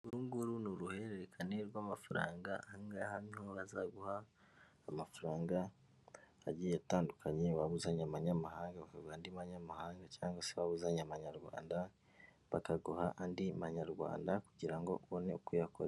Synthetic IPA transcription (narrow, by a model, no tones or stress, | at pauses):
uɾuːŋɡuɾunuɾuhe̞ɾeɾekʰaneɾɡwamafuɾa̰ːŋɡahaŋɡahamhoɾazaɡuhaː | mafuɾaːŋɡaː | ɟijataːndukʰaɲeβaβuzaɲamaɲamahaːŋɡaβakaɡuhandimaɲamahaːŋɡacaːŋɡwaseβaβuzaɲamaɲaɾɡwa̰ːnda | βakaɡuhaʔandimaɲaɾɡwa̰ːndakuɟiɾaŋɡo̞̰uβo̞ne̞ukujako̰ɾ